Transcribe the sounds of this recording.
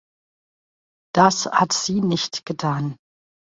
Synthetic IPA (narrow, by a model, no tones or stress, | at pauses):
d̥ashatz̥iːnɪçtɡ̥ətʰaːn